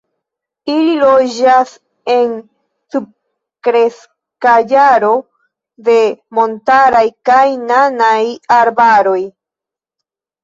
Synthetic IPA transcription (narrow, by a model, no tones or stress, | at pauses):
ililo̞d͡ʒas | e̞n | sub̚ | kɾe̞s | kad͡ʒaɾo̞ | de̞mo̞ntaɾajkajnanajaɾbaɾo̞j